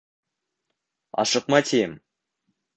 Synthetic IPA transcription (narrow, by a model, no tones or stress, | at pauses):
ɑ̰ʃɤqmɑt̪ʲʰem